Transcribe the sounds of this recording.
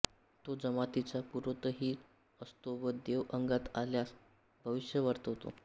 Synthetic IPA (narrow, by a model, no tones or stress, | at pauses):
t̪od͡zəmat̪it͡sapuɾət̪əɦiː | əst̪oʋəd̪eʋəŋɡat̪aljas | bʱəʋiɕjəʋəɾt̪ɦot̪o̰